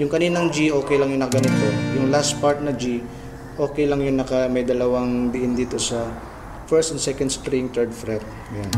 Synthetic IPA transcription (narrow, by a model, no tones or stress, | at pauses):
jʊŋkɐniːnɐŋd͡ʒiʔo̞ːkɛjlɐŋjʊnɐkɐɡɐnɪt̪ojʊŋlast̪̚paɹt̪̚nɐd͡ʒi | ʔo̞ːkɛjlɐŋjʊŋnɐkɐmɐjd̪ɐlɐwaŋb̪ɪʔɪnd̪iːt̪o̞sɐ | fɛɹst̪ɛnsɛkɐnd̪skɾiŋt̪ɛɹd̪fɾɛt̪̚ | ɡɐjan